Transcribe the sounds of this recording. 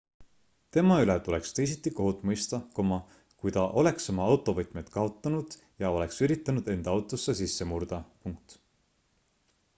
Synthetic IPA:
t̪e̞mɑylet̪ulekst̪e̞js̬it̪ːˑiko̞ɦut̪ˑmɤjst̪ɑkomɑ | kujt̪ɑʔo̞le̞ksomɑɑwt̪ːˑo̞vɤt̪ˑmet̪kɑo̞t̪ːˑɑnud̪̥ | jɑo̞le̞ksyɾit̪ːˑɑnud̪e̞nd̪̥ɑɑwt̪ːˑo̞sːesisːe̞murd̪̥ɑpuŋk̚t̪

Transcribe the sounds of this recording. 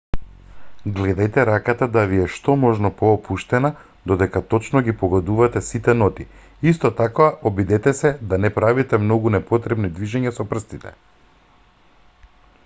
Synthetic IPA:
ɡlɛd̪ajt̪ɛɾakat̪ad̪aviɛʃt̪ɔmɔʒnɔpɔːpʰuʃt̪ɛna | d̪od̪ɛkat̪ɔt͡ʃnɔɡipɔɡɔd̪uvat̪ɛsit̪ɛnɔt̪i | ist̪ɔt̪akvaʔɔbid̪ɛt̪ɛsɛd̪anɛpɾavit̪ɛmnɔɡunɛpot̪ɾɛbnid̪viʒɛɲasɔpr̩st̪it̪ɛ̥̰

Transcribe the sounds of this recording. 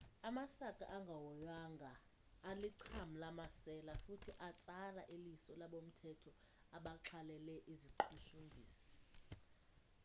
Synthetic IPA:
amasakʼa̰ʔaŋɡʱawɔjwaŋɡʱaː | liǀʰamulamasɛlafutʰiʔat͡sʼaraʔelisɔlaɓom̩tʰɛtʰɔ | aɓaǁʰalɛlɛʔiziǃʰuʃumbʱiːsi̥

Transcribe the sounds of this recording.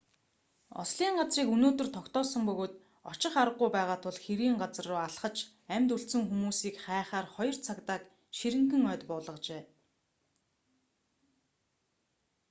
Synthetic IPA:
ɔ̰sɮiːŋɢat͡sriːkunoːt̪ɵ̆rt̪ʰɔkt̪ɔːsə̆mpɵɣoːt̪ | ɔt͡ɕɪ̆χaɾə̆ɢːʊjpæːʁaːt̪ʰʊɮxeɾiːŋɢat͡s̆rʊːaɮχə̆t͡ɕ | æmʲt̪ɵɬsɵ̆ŋxumuːsiːkχæːχaːrχɔjɞ̆r̥t͡sʰakt̪aːk | ʃiɾɘ̆ŋxɘ̆ŋœːt̪pɔːɮə̆qt͡ɕeː

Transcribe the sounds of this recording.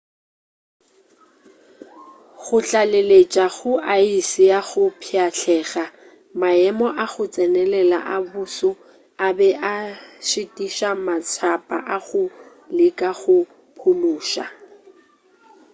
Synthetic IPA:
ɣʊɬalelet͡ʃʼaɣʊʔaisɪjaɣʊpʰiaɬʰɛːɣa | maɛmɔʔaɣʊt͡sʼɛnɛlɛla̰ʔabusʊ | abɛʔaʃɪtʼiʃamat͡sʰapʼa̰ʔaɣʊ | lɪkʼaɣʊ | pʰʊluːʃa̰

